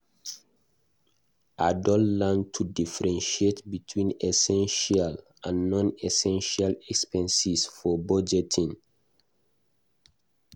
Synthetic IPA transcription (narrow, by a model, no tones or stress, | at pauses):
adɔllãntʰudifɛɹɛ̃nʃietbitʰwĩnɛsɛ̃nʃial | ãnːɔ̃nɛsɛ̃nʃialɛkspɛ̃nsisfɔbɔd͡ʒɛtʰĩŋ